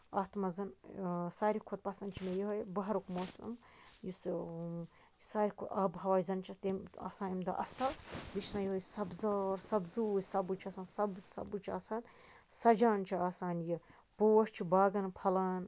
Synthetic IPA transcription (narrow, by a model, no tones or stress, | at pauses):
aːt̪mɐzɐnsaːɾikʰot̪̚pɐsɐnt͡ʃʰimejiɦɐjbɐɦɐɾukmoːsɐ̰mjus | saːɾikʰoɐbɦɐʋaːjizɐnt͡ʃʰɐt̪ema̰ːsaːnimd̪ɐ̰ʔɐsɐlʋit͡ʃʰsãːjiɦojsɐbzɐːɾsɐbzuːjʲsɐbut͡ʃʰaːsaːnsɐbsɐ̰but͡ʃʰaːsaːn | sɐd͡ʒaːnt͡ʃʰiaːsaːnji | boːwɐʃt͡ʃʰibaːɡɐnpʰɐlaːn